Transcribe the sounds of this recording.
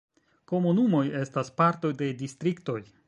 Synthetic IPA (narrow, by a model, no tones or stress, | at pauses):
ko̞munumo̞je̞staspaɾto̞jde̞distɾikto̞j